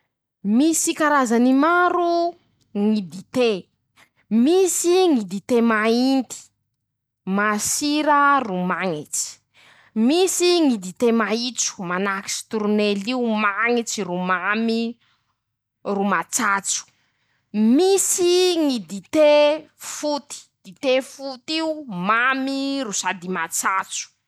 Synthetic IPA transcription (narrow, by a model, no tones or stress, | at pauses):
misikaɾazanimaɾu | ŋid̪it̪e | misiŋid̪it̪emaint̪i̥ | masiɾərumaŋit͡si̥ | misiŋid̪it̪emait͡su̥manaki̥si̥t̪uɾneliumaŋit͡sirumami | rumat͡sat͡su̥ | misiŋid̪it̪efut̪i̥d̪̥it̪efut̪iumamiɾusad̪imat͡sat͡su̥